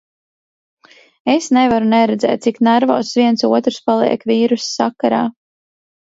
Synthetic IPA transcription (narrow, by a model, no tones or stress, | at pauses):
esnevaɾunɛɾɛd̪zɛ̰ːt̪̚siknaɾvɔ̰ːsvʲiɛnsuɔt̪ɾspalˠḭɛkviːɾusːa̰kaɾa̰ː